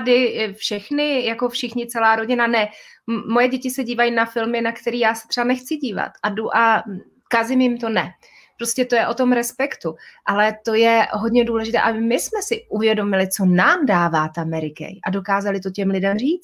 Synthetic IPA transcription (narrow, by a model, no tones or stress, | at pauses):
dɪfʃɛxnɪjako̞fʃɪxɲɪt͡sɛlaːɾoɟɪnanɛ | mo̞jɛɟɛcɪsɛɟiːvajinafɪlmɪnakt̪ɛɾiːjaːsɛ̥t̪r̝̥ɛbanɛxt͡sɪɟiːva̰t̪ʔaduʔa | kazɪmjɪmt̪o̞nɛ | pɾoscɛt̪o̞jɛʔo̞t̪o̞mɾɛspɛkt̪uʔalɛt̪o̞jɛɦo̞dɲɛduːlɛʒɪt̪ɛ̰ːʔabɪmɪsmɛsɪʔuvjɛdo̞mɪlɪt͡so̞naːmdaːvaːt̪amɛɾɪkɛ̰jʔado̞kaːzalɪt̪o̞cɛmlɪdɛmriːt͡s